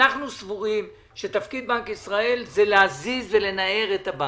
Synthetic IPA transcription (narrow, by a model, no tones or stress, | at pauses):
aχnusvuʁim | ʃet̪afkid̪̚bankisʁae̞lzeleazizve̞le̞nae̞ʁet̪aba